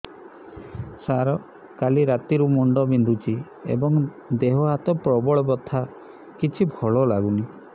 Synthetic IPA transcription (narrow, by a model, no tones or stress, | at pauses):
saɾɔ | kaliɾat̪iɾumɔɳɖɔbind̪ʱut͡ʃʰi | ḛbɔŋ | d̪eɦɔɦat̪ɔpɾɔbɔɭɔbɔt̪ʰa | kit͡ʃʰibʱɔɭɔlaɡuni